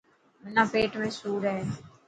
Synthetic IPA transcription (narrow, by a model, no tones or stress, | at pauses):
mɪnãːpeːʈmẽːsuːɾɦɛː